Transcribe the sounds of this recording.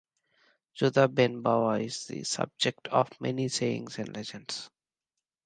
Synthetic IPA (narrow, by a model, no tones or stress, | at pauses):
d͡ʒʊd̪abɛ̃nbaʋaɪzd̪ḭsʌ̰b̚d͡ʒek̚ʈʰɔʋmɛ̰niseɪɪ̰̃ŋzɛ̃nɖlɛd͡ʒə̃nɖs